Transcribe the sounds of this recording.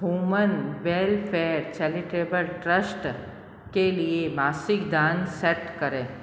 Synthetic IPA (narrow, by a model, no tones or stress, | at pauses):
ɦuːmənbeːlfʰeːɾt͡ʃɛlɪʈeːbəlʈɾəsʈ | keliemaːsɪkd̪ãːnseʈkəɾẽː